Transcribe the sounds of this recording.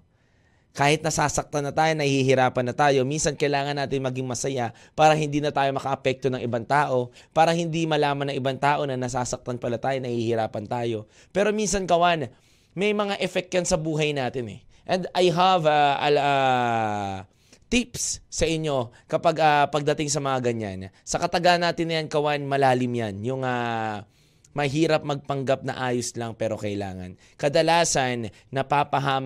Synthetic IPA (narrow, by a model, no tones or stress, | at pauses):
kaːhɪt̪̚nɐsaːsɐk̚t̪ɐnːɐt̪aːjonɐhiɦɪɾaːpɐnːɐt̪aːjo̞minsɐnkɐjlaːŋɐnːaːt̪ɪnmɐɡɪŋmɐsɐja | paːɾɐhɪnd̪iːnɐt̪aːjo̞mɐkɐʔɐpɛk̚t̪o̞nɐŋʔɪbaŋt̪aːʔo̞ | paːɾɐhɪnd̪imɐlaːmɐnɐŋʔɪbaŋt̪aːʔo̞nɐnɐsaːsɐk̚t̪ɐnpɐlat̪aːjonɐhihɪɾaːpɐnt̪aːjo̞ | pɛːɾo̞minsɐnkɐwan | mɛjmɐŋaʔɛfɛk̚jɐnsɐbuːɦɐjnaːt̪ɪnɛ̰ʔɛnd̪ajɦavaɐla | t̪ipsːɐʔɪɲːo̞kɐpaɡapɐɡ̚d̪ɐt̪ɪŋs̬ɐmɐŋaɡɐɲa̰nsɐkɐt̪ɐɡanːaːt̪ɪnːɐjankɐwanmɐlaːlɪmjanjʊŋa | mɐɦiːɾɐp̚mɐɡ̚pɐŋɡap̚nɐ̰ʔaːjoslɐŋpɛːɾo̞kɐʔɪla̰ːŋɐ̰n | kɐd̪ɐlaːsɐnː | ɐpaːpɐɦaː